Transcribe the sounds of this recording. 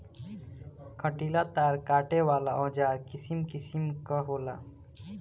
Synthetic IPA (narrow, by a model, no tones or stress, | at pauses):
kʰəʈiːlat̪aːɾkaːʈewaːlaɔ̃ːd͡ʒaːɾkɪsimkɪsimkaɦoːla̰ː